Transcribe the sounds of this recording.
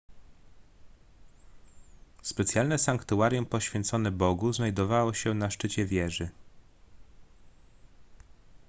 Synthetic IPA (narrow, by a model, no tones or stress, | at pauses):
spɛt̪sʲjalnɛsaŋkt̪uaɾjumpɔɕfʲjɛnt̪sɔnɛbɔɡuznajd̪ɔvawɔɕɛnaʂt͡ʂɘt͡ɕɛvʲjɛʐɘ